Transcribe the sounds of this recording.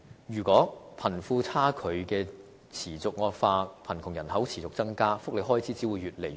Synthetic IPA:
jyː˨˩kʷɔː˨˥pʰɐ˨˩nfuː˧t͡sʰaː˥kʰɵ˨˧ɥkɛː˧ | t͡sʰiː˨˩t͡sʊ˨k̚ŋɔː˧k̚faː˧pʰɐ˨˩nkʰʊ˨˩ŋjɐ˨˩nhɐ˨˥wt͡sʰiː˨˩t͡sʊ˨k̚t͡sɐ˥ŋkaː˥fʊ˥k̚le˨˧ɦɔː˥jt͡sʰiː˨˥t͡siː˨˥wu˨˧jɥyː˨t̚le˨˩j

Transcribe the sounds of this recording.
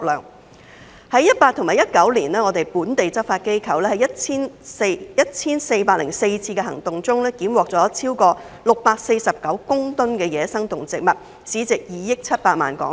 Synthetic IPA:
lœ̰ː˨˩ŋ | hɐ˨˥jɐ˥t̚paː˧t̪ʰʊ˨˩ŋmaː˨˩jɐ˥t̚kɐ˨˥wliː˨˩nlɛː˥ŋɔ˨˧t̪e˨˩jpuː˨˥nt̪e˨jt͡sɐ˥p̚faː˧t̚ke˥jkʰɐ˨wlɛː˥hɐ˨˩jɐ˥t̚t͡sʰiː˥nse˧jɐ˥t̚t͡sʰiː˥nse˧jpaː˧k̚lɪ̰˨˩ŋse˧jt͡sʰiː˧kɛ˧hɐ̰˨˩ŋt̪ʊ˨ŋt͡sʊ˥ŋlɛː˥kiː˨˥mwɔː˨k̚t͡sɔː˨˦˥t͡sʰiː˥wkɔː˧ | lʊ˨k̚paː˧k̚se˧jsɐ˨p̚kɐ˨˥wkʊ˥ŋt̪ʊ˥nkɛː˧jɛː˨˧sɐ˥ŋt̪ʊ˨˩ŋt͡sɪ˨k̚mɐ˨˩t̚ | siː˨˥t͡sɪ˨k̚jiː˨˩jɪ˥k̚t͡sʰɐ˥t̚paː˧t̚ma̰ː˨˩nkɔ̰ː˨˥ŋ

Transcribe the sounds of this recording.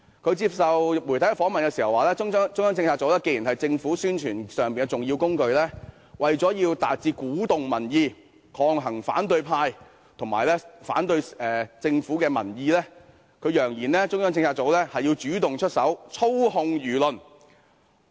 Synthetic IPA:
kʰɵ˨˧ɥt͡siː˧p̚sɐ˨wmu˨˩jt̪ʰɐ˨˥jkɛ˧fɔː˨˥ŋmɐ˨nkɛ˧siː˨˩hɐ˨waː˨˧lɛː˥ŋ˥t͡sʊ˥ŋjœː˥ŋt͡sɪ˧ŋt͡sʰaː˧t̚t͡so˨˥wlɛː˥ke˧jiː˨˩nɦɐ˨jt͡sɪ˧ŋfuː˨˥syː˥nt͡ʃʰyː˨˩nsœː˨˩ŋpiː˨nkɛ˧t͡sʊ˨ŋjiː˧wkʊ˥ŋkɵ˧ɥlɛː˥ | wɐ˨jt͡sɔː˨˥jiː˧wt̪aː˨t̚t͡siː˧kuː˨˥t̪ʊ˨ŋmɐ˨˩njiː˧ | kʰɔː˧ŋɦɐ˨˩ŋfa̰ː˨˥nt̪ɵ˧ɥpʰaː˧j | t̪ʰʊ˨˩ŋmaː˨˩jlɛː˥fa̰ː˨˥nt̪ɵ˧ɥɛː˨t͡sɪ˧ŋfuː˨˥kɛː˧mɐ̰˨˩njiː˧lɛː˥ | kʰɵ˨˧ɥjœː˨˩ŋjiː˨˩nlɛː˥t͡sʊ˥ŋjœː˥ŋt͡sɪ˧ŋt͡sʰaː˧t̚t͡so˨˥wlɛː˥hɐ˨jiː˧wt͡ʃyː˨˥t̪ʊ˨ŋt͡ʃʰɵ˥t̚sɐ˨˥wt͡sʰo˥whʊ˧ŋjyː˨˩lɵ˨n

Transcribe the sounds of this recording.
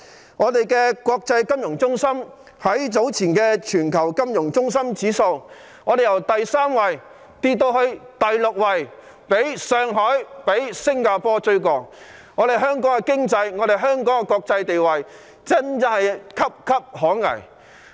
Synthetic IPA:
ŋɔː˨˧t̪e˨jkɛː˧kʷɔː˧k̚t͡sɐ˧jkɐ˥mjʊ˨˩ŋt͡sʊ˥ŋsɐ˥m | hɐ˨˥jt͡so˨˥wt͡sʰiː˨˩nkɛː˧t͡ʃʰyː˨˩nkʰɐ˨˩wkɐ˥mjʊ˨˩ŋt͡sʊ˥ŋs̬ɐ˥mt͡siː˨˥so˧w | ŋɔː˨˧d̪e˨jɐ˨˩wt̪ɐ˨jsaː˥mwɐ˨j | t̪iː˧t̚t̪ːo˧whɵ˧ɥt̪ɐ˨jlʊ˨k̚wɐ˨j | pe˨˥jsœː˧ŋɦɔː˨˥jpe˨˥jsɪ˥ŋkaː˧pɔː˥t͡sɵ˧ɥkɔː˨k̚ | ŋɔː˨˧ɾe˨jɦœː˥ŋkɔː˨˥ŋkɛ˧kɪ˥ŋt͡sɐ˧jŋɔː˨˧d̪e˨jɦœː˥ŋkɔː˨˥ŋɛ˧kʷɔː˧k̚t͡sɐ˧jt̪e˨jwɐ˨j | t͡sɐ˥nt͡sɐ˥nɐ˨jkʰɐ˥p̚kʰɐ˥p̚hɔː˨˥ŋɐ̰˨˩j

